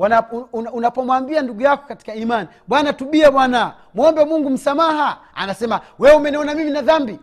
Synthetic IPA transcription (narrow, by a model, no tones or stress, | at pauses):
wanaunapɔmwambianduɡujakɔ̥kati̥kaimani | ɓwanatuɓiaɓwana | mwɔmbɛmuŋɡum̩samahaa̰nasɛmawɛumɛniɔnamiminaðambi